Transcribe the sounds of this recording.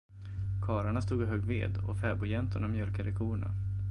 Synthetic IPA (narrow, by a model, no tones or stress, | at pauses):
kʰɑːɾaɳast̪uːɡɪɦœːɡvḛːd̪ɔ̰fɛːbʊjɛnt̪ʊɳamjœlkad̪əkʰuːɳa̰